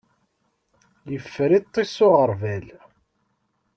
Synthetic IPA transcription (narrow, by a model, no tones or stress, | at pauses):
jəfːɾit̪ˤːisʊʁəɾvæl